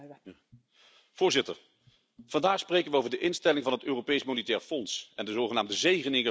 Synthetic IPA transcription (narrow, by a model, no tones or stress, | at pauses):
v̥ʊːɹzɪtə̰ɹ | v̥ɑndaːχsprejkənʋəowvəɹdəʔɪnstɛlɪŋvɑnɦətøːropejsmonətɛːɹfɔnsɛndəzowχənaːmdəzejχənɪŋə